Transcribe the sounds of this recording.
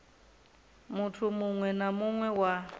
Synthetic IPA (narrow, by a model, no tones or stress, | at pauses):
mutʰumuŋwɛnamuŋwɛwa